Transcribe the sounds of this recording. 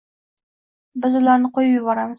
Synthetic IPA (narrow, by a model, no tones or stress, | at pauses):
bɪzʊlaɾnɪqʰojɪpjɪbɒɾamɪz